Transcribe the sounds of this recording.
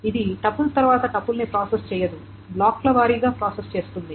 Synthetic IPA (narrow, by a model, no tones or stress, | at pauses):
id̪iʈɐpːulɐt̪ɐɾʋaːt̪ɐʈɐpːulnipɾaːsest͡ʃɛːjɐd̪u | blaːklɐʋaːɾiːɡaːpɾaːsest͡ʃe̞ːst̪und̪i